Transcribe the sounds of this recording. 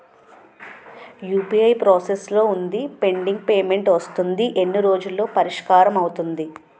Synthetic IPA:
juːpiɐjpɾoːseslo̞ːund̪ipe̞ɳɖiŋɡ̚peːme̞ɳʈʋɐst̪und̪iʔe̞nːiɾo̞ːd͡ʒulːo̞ːpɐɾiʂkaːɾɐmɐwut̪und̪i

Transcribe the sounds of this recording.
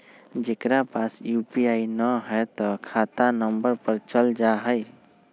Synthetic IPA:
d͡ʒekɾapasjupiainəɦət̪ɔkʰat̪anəmbəɾpəɾt͡ʃəld͡ʒaɦəj

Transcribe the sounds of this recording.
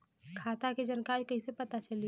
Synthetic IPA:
kʰat̪aked͡ʒənkaɾikəɦisepət̪at͡ʃəlij

